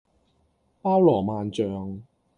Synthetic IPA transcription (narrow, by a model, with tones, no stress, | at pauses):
paː˥wlɔː˨˩maː˨nt͡ʃœː˨ŋ